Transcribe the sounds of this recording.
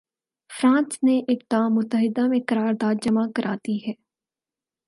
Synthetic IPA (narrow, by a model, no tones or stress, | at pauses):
fɾãːnsneʔɪːk̚d̪aːmːʊt̪ːəɦɪd̪amẽkɐɾaːɾd̪aːd̪d͡ʒɐmakɐɾʔaːt̪iɦɛː